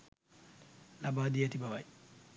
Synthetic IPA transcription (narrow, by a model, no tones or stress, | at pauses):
labaːdijatibawaj